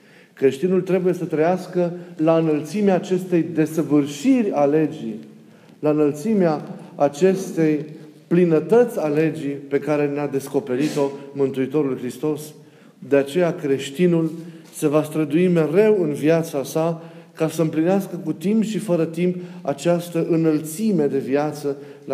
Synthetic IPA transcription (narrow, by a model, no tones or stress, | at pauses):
kɾe̞ʃt̪inult̪ɾe̞buje̞sət̪ɾəjaskəlaɨnəlt̪simeaːt͡ʃe̞st̪e̞jd̪e̞səvɨrʃirʲale̞d͡ʒḭ | laɨnəlt̪simeaːt͡ʃe̞st̪e̞j | plinət̪ət̪sʲale̞d͡ʒipe̞kaɾe̞nead̪e̞sko̞pe̞ɾit̪o̞mɨnt̪uit̪o̞ɾulujxɾist̪o̞s | d̪e̞at͡ʃe̞jakɾe̞ʃt̪inulse̞vast̪ɾəd̪uime̞ɾe̞wɨnvjat̪sasakasəɨmplineaskəkut̪impʃifəɾət̪impa̰t͡ʃast̪əʔɨnəlt̪sime̞d̪e̞viat̪sə